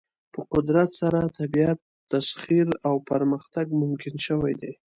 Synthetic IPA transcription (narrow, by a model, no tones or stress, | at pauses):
pəqʊd̪ɾat̪saɾat̪abiat̪ːasχiɾawpaɾməxt̪aɡmʊmkɪnʃəwajd̪e